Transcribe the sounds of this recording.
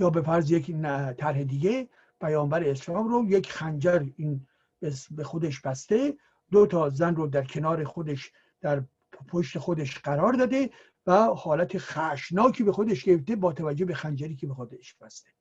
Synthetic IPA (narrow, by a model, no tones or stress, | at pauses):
jɒːbefæɾzjeknt̪ʰæɾhed̪iɡe̞ | pʰæjɒːmbæɾeːslɒːmɾojekʰxænd͡ʒæɾiːn | besbexod̪eʃb̥æst̪e̞ | d̪ot̪ʰɒːzænrod̪æɾkʰe̞nɒːɾe̞xod̪eʃ | d̪̥æɾ | pʰoʃt̪e̞xod̪eʃɢæɾɒːɾd̪ɒːd̪e̞ | væhɒːlæt̪ʰexæʃnɒːkʰiːbe̞xo̞d̪eʃɡeɾeft̪ebɒːt̪ʰævæd͡ʒːobe̞xænd͡ʒæɾiːkʰebexod̪eʃb̥æst̪e̥